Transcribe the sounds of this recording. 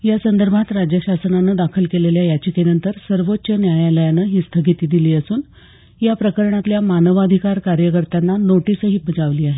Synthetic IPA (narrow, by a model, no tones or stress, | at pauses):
jasənd̪əɾbʱat̪ɾad͡ʑjəɕasənanəd̪akʰəlkeleljajat͡ɕikenənt̪əɾsəɾʋot̪ːɕənjajaləjanəɦiːst̪ʰəɡit̪iːd̪iliːəsuːn | japɾəkəɾɳat̪ljamanəʋad̪ʱikaɾkaɾjəkəɾt̪anːanoʈisəɦibəd͡zaʋliːaɦe